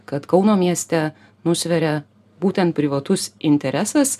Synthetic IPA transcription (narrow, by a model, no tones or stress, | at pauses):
kɐt̪kɐʊnoːmʲiɛsʲt̪ʲɛ | nʊsʲʋʲɛɾʲɛ | buːt̪ʲɛnt̪̚pʲɾʲɪʋɐt̪ʊsɪnʲt̪ʲɛɾʲɛsɐs